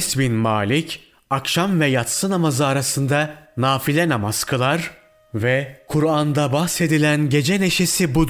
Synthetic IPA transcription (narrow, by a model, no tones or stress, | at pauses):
sbinmaːlʲicʰ | akʃamvɛjat̪sɯnamazɯaɾasɯnd̪anaːfilʲɛnamazkʰɯlˠaɾ | vɛkʰuɾand̪abahse̞d̪ilʲænɟe̞d͡ʒɛne̞ʃe̞sibu